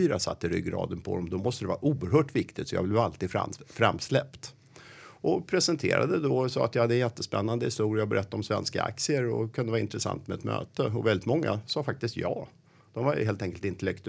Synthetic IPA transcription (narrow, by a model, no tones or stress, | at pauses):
yːɾasa̰t̪ːəɾʏ̰ɡːɾɑ̰ːd̪ənpʰɔd̪ɔmd̪ɔmɔst̪əd̪ɛvɑːɾaʔuːəɾɦœːʈvɪkt̪ɪt̪sɔjɑ̰vblɛvalt̪iːd̪a̰fɾamːslɛpt̪ | ʔɔpʰɾɛsənt̪ʰḛːɾa̰d̪əd̪ɔsɔːat̪jɑhad̪ːəɛnjɛt̪ːəspɛnːand̪əhɪst̪uːɾɪabɛɾʔɛt̪ːaɾɔmsvɛnska̰a̰k̚t̪sɪəɾɔ̰kʰɵnd̪əvɑːɪnt̪ɾəsa̰nt̪mɛɛt̪mø̰ːt̪əɔvɛld̪ɪt̪mɔŋːa̰sɑːfak̚t̪ɪst̪jɑː | d̪̥ɔmvajheːlt̪ɛŋkəlt̪ɪnt̪ɛlɛk̚t̪